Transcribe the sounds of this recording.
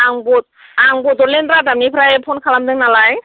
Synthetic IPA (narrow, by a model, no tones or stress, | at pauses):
aŋbɔt̚aŋbɔtɔɾlendɾadamnipʰɾajɛpʰonkʰalamdɯŋnalaj